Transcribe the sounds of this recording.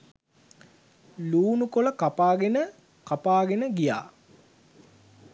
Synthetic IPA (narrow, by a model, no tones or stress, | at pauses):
luːnukoləkapaːɡenə | kapaːɡenəɡija̰ː